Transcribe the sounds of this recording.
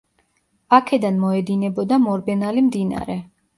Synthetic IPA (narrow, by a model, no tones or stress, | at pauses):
akʰɛd̪anmɔɛd̪inɛbɔd̪amɔɾbɛnalimd̪ina̰ɾɛ